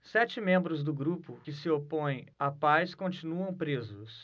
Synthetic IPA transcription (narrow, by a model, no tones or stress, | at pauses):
sɛt͡ʃɪmẽmbɾʊzd̪ʊɡɾupʊkɪsɪopõj̃apajskõt͡ʃinuɐ̃w̃pɾezʊs